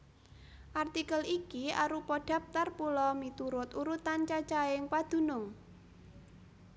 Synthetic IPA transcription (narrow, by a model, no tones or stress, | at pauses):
ʔart̪ikəlikiaɾupɔɖ̥a̤p̚t̪arpulɔmit̪uɾʊt̪uɾut̪ant͡ʃat͡ʃaɪŋpad̪̥ṳnʊŋ